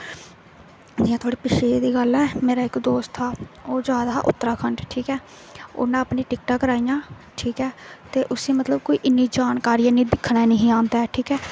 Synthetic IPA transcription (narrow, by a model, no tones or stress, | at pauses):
d͡ʒiːãːt̪ʰwaːɽiːpɪʃeːd̪iːɡəlɛːmeːɾaːɪkd̪oːst̪ʰaːoːd͡ʒjaːd̪aːʔʊ̰t̪ːəɾaːkʰəɳɖʈʰiːkɛː | ʊ̰ːnãːəpniːʈɪkʈaːkəɾaːijãː | ʈʰiːkɛːt̪eːʔʊsẽːmət̪ləb̚koːiːʔɪnːiːd͡ʒaːnkaːɾiːãːnĩːd̪ɪkʰːɽaːnəɦĩːãːnd̪aːɛːʈʰiːkɛː